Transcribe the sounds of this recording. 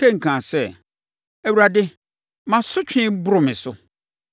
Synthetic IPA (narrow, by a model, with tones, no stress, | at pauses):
ẽ˦ŋ̩˨kʰãː˨sɛ˦ | ɛ˨wu˨ɾa˨dɪ˦ | mã˨sʊ˦t͡ɕᶣʰɪ̃˦bʊ˦ɾʊ˨mɪ̃˨sʊ˦